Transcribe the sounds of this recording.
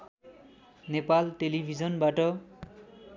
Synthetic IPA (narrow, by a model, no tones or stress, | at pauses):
nepalʈelibʱid͡zʌnbaʈʌ